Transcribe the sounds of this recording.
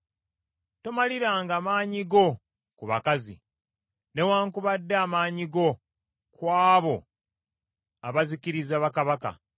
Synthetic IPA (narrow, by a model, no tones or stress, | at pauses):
tomaliɾaːŋɡaːmaːɲiɡo̞ | kuβakazḭ | ne̞waːŋkuβadːeamaːɲiɡo̞ | kwaːβo̞ | aβaziciɾizaβakaβaka̰